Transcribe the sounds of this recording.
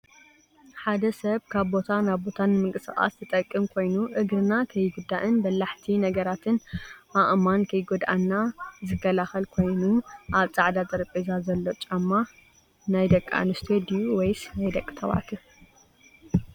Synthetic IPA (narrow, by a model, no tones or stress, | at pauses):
ħad̪ɐsɐβkʰaβbo̞t̪ʰanaβbo̞t̪ʰanːɨmɨŋkʼɨsxʼa̰st̪ʰɨt̪ʼɐkʼːɨmkʰo̞jnuʔɨɡɾɨnakʰɐjːɡud̪ːaʔɨnbɐlːaħt̪ʰinɐɡɐɾat̪ʰɨnʔaʔmankʰɐjɡod̪ʔanːazɨkʰːɐlaxɐlkʰo̞jnuʔaβt͡sʼaʕd̪azʼɐɾpʼezazɐlːo̞t͡ʃʼamːa | najd̪ɐkʼːa̰nɨst̪ʰed̪iuwejsnajd̪ɐkʼːɨt̪ʰɐβa̰ʕt̪ʰɨ